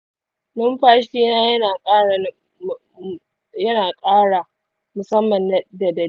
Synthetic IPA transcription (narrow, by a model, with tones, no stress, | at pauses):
nʊ˦mɸaː˦ʃiː˦naː˦jɐ˦naː˨kʼaː˦ɽa˨˦˨ | jɐ˦naː˨kʼaː˦ɽa˨ | mʊ˨sɐ˦mːɐ˨n˦da˨dɐ˨